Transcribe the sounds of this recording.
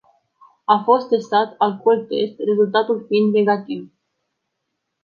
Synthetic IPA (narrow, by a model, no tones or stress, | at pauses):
afo̞st̪ːe̞st̪at̪alkolt̪e̞st̪re̞zult̪at̪ulfiind̪ne̞ɡat̪iv